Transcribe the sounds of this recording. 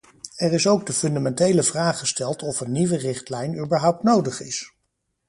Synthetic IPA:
ɛrɪsowɡ̚dəfɵndamɛntejləvraːχəstɛlˠtʰɔfənːiʋərɪχtlɛjnyːbəɹɦʌwp̚tnowdəχɪs

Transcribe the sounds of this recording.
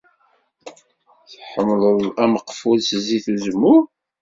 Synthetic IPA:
θħəmːlˤəðˤæməqfulsziθuzəmːʊɾ

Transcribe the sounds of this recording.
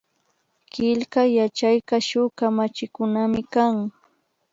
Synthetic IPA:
kɪʎkajat͡ʃajkaʃʊkamat͡ʃɪkʊnamɪkaŋ

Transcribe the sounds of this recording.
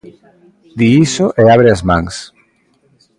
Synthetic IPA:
d̪iisoʔeaβ̞ɾeazmãŋs

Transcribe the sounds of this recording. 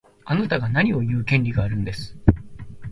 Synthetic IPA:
anat̪aɡanaɲ̟io̞jɯ̟ːkʲẽ̞nʲɾʲiɡaːɾɯ̟̃nd̪e̞sɨ̥

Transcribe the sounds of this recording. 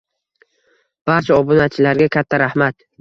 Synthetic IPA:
b̥aɾt͡ʃʰaɒbʊnat͡ʃʰɪlaɾɡʲakʲʰat̪ʰːaɾahmat̪

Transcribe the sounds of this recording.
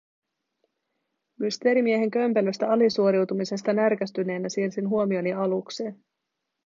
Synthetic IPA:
myst̪e̞ːɾimie̞ɦe̞ŋk̟ø̞mpeløst̪æɑlisuo̞ɾiwt̪umise̞st̪ɑnærkæst̪yne̞ːnæsiːrsinɦuo̞mio̞niɑlukse̞ːn

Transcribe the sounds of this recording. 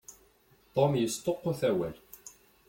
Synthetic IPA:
t̪ˤomjəst̪ˤoqːʊθæwæl

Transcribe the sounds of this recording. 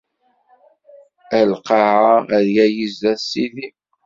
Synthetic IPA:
ælqɑʕaæðjæjizæsiði

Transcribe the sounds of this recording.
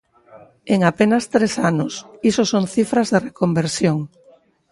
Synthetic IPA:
eŋapenɐst̪ɾesanʊsisosoŋθifɾɐzðerekombeɾsjoŋ

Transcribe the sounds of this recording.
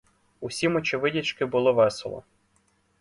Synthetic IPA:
usʲimɔt͡ʃʲɪʋɪdʲit͡ʃkɪbʊlˠɔʋɛsḛlˠɔ̰

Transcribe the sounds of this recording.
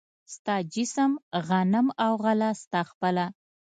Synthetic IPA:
st̪ɑd͡ʒɪsəmɣanəmawɣalast̪ɑxpəla

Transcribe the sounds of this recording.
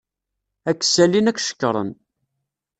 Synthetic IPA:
ækːsælinækʷːʃə̥kːɾˤə̰n

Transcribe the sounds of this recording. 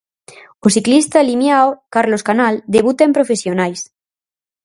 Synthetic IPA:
osiklist̪alimjaokaɾloskanald̪eβ̞ut̪aempɾofesjonajs

